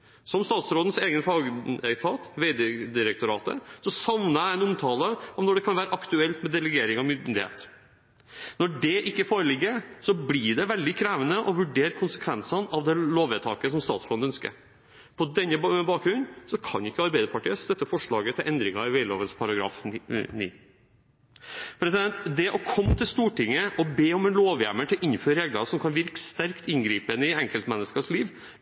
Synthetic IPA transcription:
sɔmst̪ɑːt̪sɾoːd̪n̩seːɡənfɑɡɛt̪ʰɑːt̪ʋeɪd̪d̪ɪɾək̚t̪ʊɾɑːt̪ə̰sɔsɑʋnəɾæɛnʊmt̪ʰɑːləɔmnɔɖɛkʰɑnʋæːɾəʔɑkt̪ʉɛlt̪mɛd̪ɛləɡeːɾɪŋɑmʏnd̪ɪhḛːt̪ | nɔɖɛʔɪkːəfoːɾəlɪɡːəɾsɔblɪɖɛʋɛld̪ɪkʰɾæːʋənəʔɔʋʉɖeːɾkʰʊnsəkʰʋɛnsɑnɑʋd̪ɛloːʋɛt̪ʰɑ̰ːkəsɔmst̪ɑːt̪sɾo̰ːd̪nœnskə̰ɾ | pʰɔd̪ɛnːəbɑːk̚ɡɾʉnːsɔkʰɑ̰nɪkːəɑɾbæɪd̪əɾpʰɑʈiːəst̪œt̪ːəfɔʂɭɑːɡət̪ʰɪlʔɛnd̪ɾɪŋɑɪʋɛɪlo̰ːʋənspʰɑɾɑɡɾɑ̰ːfnḭː | pʰɾɛsɪd̪ɛnt̪d̪ɛʔɔkʰɔmːt̪ʰɪlst̪uːʈɪŋːəʔɔbeːɔmɛnloːʋjæməʈ̪ʰɪlʔɪnføːɾɾeːɡlɑɾsɔmkʰɑnʋɪɾkə̥st̪æɾkt̪ɪnɡɾiːpənɪɛŋkəlt̪mɛnːəskɑʂliːʋ

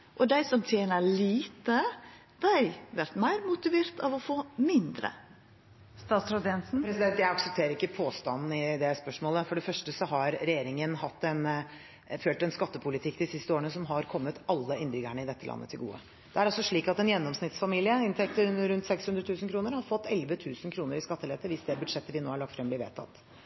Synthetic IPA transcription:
ʔɔd̪æɪsɔmt̪ʰjeːnəɭiːt̪ə | d̪̥æɪʋæɾt̪mæɪɾmʊt̪ɪʋeːɾt̪ʰɑʋɔfoːmɪnd̪ɾə̰ | st̪ɑːt̪sɾɔd̪ɛnsn̩pʰɾɛsɪd̪ɛnt̪jæɪɑksɛp̚t̪ʰeːɾəɾɪkːəpʰoːst̪ɑ̰nn̩ɪd̪ɛspœʂmoːləfɔɖɛfœʂʈəsɔɦɑɾɾɛjeːɾɪŋənhɑt̪ːɛn | føːlʈ̪ɛnskɑt̪ːəpʰʊlɪt̪ʰɪkːd̪ɪsɪst̪əoːɾəɳəsɔmɦɑɾkʰɔmːət̪ɑlːəɪnd̪ɾʏɡəɳəɪd̪ɛt̪ːəlʔɑ̰nːət̪ʰɪlɡṵːə̰ | d̪̥ɛæɾɑsɔʂɭiːkɑt̪ɛnjɛnːɔmsnɪt̪sfɑmiːlɪəɪnt̪ʰɛk̚t̪əɾɾʉnt̪sɛkshʉnd̪ɾət̪ʰʉːsən̩kʰɾuːnəɾhɑɾfɔt̪ːɛlʋət̪ʰʉːsən̩kʰɾuːnəɾɪskɑt̪ːəlɛt̪ːəʋɪsd̪ɛbʉd̪ʂɛt̪ːəʋɪnoːhɑɭɑkt̪fɾɛmblɪɾʋḛːt̪ʰɑ̰t̪ː

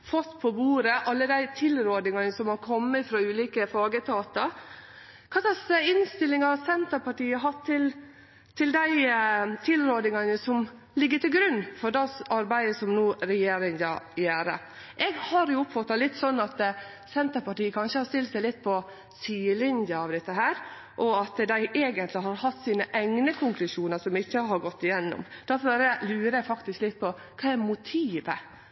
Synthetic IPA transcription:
fɔt̪ːpʰɔbuːɾəʔɑlːəd̪æɪt̪ʰɪlɾoːd̪nɪŋɑnəsɔmhɑɾkʰɔmːəfɾɑːʉːliːkəfɑːɡət̪ʰɑːt̪ɑɾ | kʰɑsɑsɪnst̪ɪlːɪŋɑsɛnt̪əɾpɑʈiːəɦɑt̪ʰːɪl | t̪ʰɪld̪æɪt̪ʰɪlɾoːd̪nɪŋɑnəsɔm | lɪɡːəʈɪlɡɾʉnːfɔɾdɑsɑɾbæɪəsɔmnuːɾɛjeːɾɪŋd̪ɑ̰jæːɾə̰ | ʔɛɡhɑɾjʊʊpfɑt̪ːɑlɪt̪ːsɔnːɑt̪ | sɛnt̪əɾpɑʈiːəkʰɑnʂəhɑɾʂt̪ɪlt̪sæɪlɪt̪ːpʰɔ | syːɪlɪnjɑɑʋd̪ɛt̪ːəɦæːɾ | ʔɔɑt̪d̪æɪʔeːɡənt̪lɪɦɑɾhɑt̪ːsiːnəʔæŋnəkʰʊŋklʉʂuːnəsɔmɪçːəɦɑɾɡɔt̪ːɪjɛnːɔ̰md̪̥æfɔbɛɾəlʉːɾəɛfɑkt̪ɪsklɪt̪ːpʰɔ | kʰɑːɛɾmʊt̪ʰiːʋə

